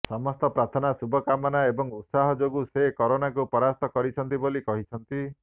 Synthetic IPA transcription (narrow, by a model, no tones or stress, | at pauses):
sɔmɔst̪ɔpɾat̪ʰɔnasubʱɔkamɔnaebɔŋut̪saɦɔd͡ʒoɡusekɔɾonakupɔɾast̪ɔkɔɾit͡ʃʰɔnt̪ibolikɔɦit͡ʃʰɔnt̪i